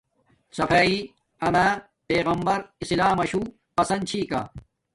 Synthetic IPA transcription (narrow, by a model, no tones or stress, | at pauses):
sɐfaːi | ɐnaː | peːɣɐmbɐɾislaːmɐɕuː | qɐsɐnt͡ɕʰiːka̰ː